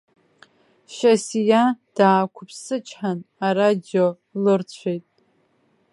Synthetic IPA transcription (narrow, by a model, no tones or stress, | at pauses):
ʃasijad̥aːkʷʰʊpʰsɨt͡ʃʼʰħanaɾad͡ʒo | lɨrt͡ɕʷʰejtʼ